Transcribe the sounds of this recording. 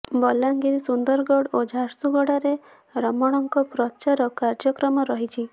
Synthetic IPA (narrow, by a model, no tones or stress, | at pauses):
bɔlaŋɡiɾisund̪ɔɾɡɔɽod͡ʒʱaɾt̪uɡɔɽaɾe | ɾɔmɔɽ̃ɔŋkɔpɾɔt͡ʃaɾɔkaɾd͡ʒɔkɾɔmɔɾɔɦit͡ʃʰi